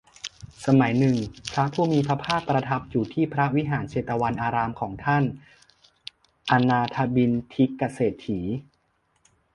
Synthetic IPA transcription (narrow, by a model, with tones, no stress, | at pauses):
sa˧ma˩˦jnɯ˨˩ŋpʰɾa˦˥pʰuː˥˩miː˧pʰɾa˦˥pʰaː˥˩k̚ːɾa˧t̪ʰa˦˥p̚juː˨˩t̪ʰiː˥˩pʰɾa˦˥wi˦˥ɦaː˩˦nseː˨˩t̪ːa˧wa˧nʔaː˧ɾaː˧mkʰɔː˩˦ŋt̪ʰa˥˩n | ʔa˧naː˧t̪ʰa˧bi˧nt̪ʰi˦˥kːa˧seː˨˩t̪ʰːiː˩˦